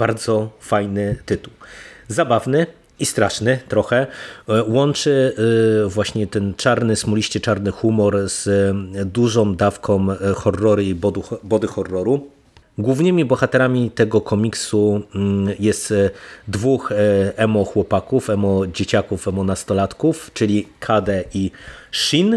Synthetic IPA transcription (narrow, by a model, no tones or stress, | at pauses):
b̥aɾd̪zɔfajnɘt̪ɘt̪uwzabavnɘ | ist̪ɾaʂnɘt̪ɾɔxɛwɔnt͡ʂɘ | vwaɕɲɛt̪ɛnt͡ʂaɾnɘsmulʲiɕt͡ɕɛt͡ʂaɾnɘxumɔɾz̥d̪uʐɔ̃wd̪afkʰɔ̃mxɔrːɔɾibɔd̪bɔd̪ɘxɔrːɔɾu | ɡwuvnɘmʲibɔxat̪ɛɾamʲit̪ɛɡɔkʰɔmʲiksu | jɛst̪d̪vuxɛmɔxwɔpakufɛmɔd͡ʑet͡ɕakufɛmɔnast̪ɔlat̪kuft͡ʂɘlʲikʰad̪ɛiʂin